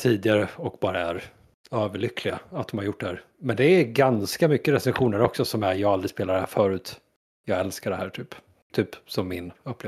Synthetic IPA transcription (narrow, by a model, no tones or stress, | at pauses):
t̪ʰiːd̪ɪɡaɾəɔkbɑːɾaæɾ | øːvəɭʏkʰːlɪɡaat̪d̪ɔmhaɾjʊʈ̚ːɖɛhæːɾ | mɛnd̪ɛæɡanskamʏkːəɾɛsɛnɧuːnəɾɔksɔsɔmæɾjɑːɡald̪ɾɪspeːlaɾɖɛhæːɾfœːɾʉ̟ːt̪ | jɑːɡɛlskaɖɛhæːʈʰyːp | t̪ʰyːpsɔmːɪnɵp̪ːeːv